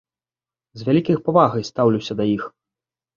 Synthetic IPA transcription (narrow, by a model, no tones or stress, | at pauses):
zvʲalʲikʲɐjxpavaɣɐjst̪awlʲusʲɐd̪ɐjix